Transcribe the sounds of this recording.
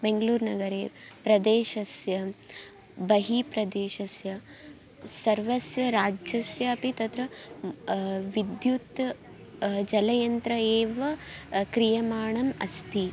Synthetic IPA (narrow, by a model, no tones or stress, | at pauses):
beŋɡɐluːɾnɐɡɐɾḛːpɾɐd̪eːʃɐsjɐ | bɐɦipɾɐd̪eːʃɐsjɐ | sɐɾʋɐsjɐɾaːd͡ʒɐsjɐːpit̪ɐt̪ɾɐ | ʋid̪jut̪ | d͡ʒɐlɐjɐnt̪ɾɐeːʋɐkɾijɐmaːɳɐmɐ̰st̪ʰi